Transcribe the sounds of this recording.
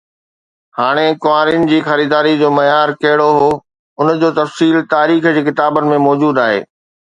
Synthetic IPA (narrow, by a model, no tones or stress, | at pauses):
haːɽ̃ekʊaːɾɪnɪ̆d͡ʑiːxɐɾiːd̪aːɾid͡ʑoːmɐjaːɾkɐɦɪɽoɦoː | ʊnd͡ʑoːt̪ɐfsiːlt̪aːɾiːxd͡ʑiːkɪt̪aːbənɪ̆mẽmɔːd͡ʑuːd̪aːɦḛː